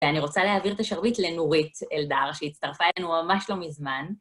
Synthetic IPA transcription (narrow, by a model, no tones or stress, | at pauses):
veaniʁo̞t͡saleɦaːviʁt̪aʃaʁbit̪lenuʁiteld̪aʁʃeitt͡st̪aʁfaelenumamaʃlo̞mizman